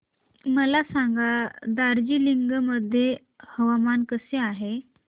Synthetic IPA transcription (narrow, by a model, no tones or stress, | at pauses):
məlasaŋɡad̪aɾd͡ʑiːliŋɡməd̪ʱje | həʋamankəseaɦe